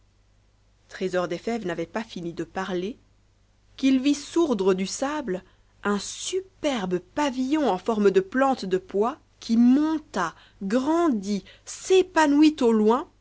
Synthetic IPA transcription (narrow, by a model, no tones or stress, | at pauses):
t̪χezɔʁd̪efɛvnavɛpafinid̪əpaʁle | kilvisuʁd̪ʁəd̪ysabl | ɛ̃sypɛʁbəpavijɔ̃ɑ̃fɔʁməd̪əplɑ̃t̪d̪əpwa | kʰʲimɔ̃t̪a | ɡʁɑ̃d̪i | sepanwit̪olwɛ̃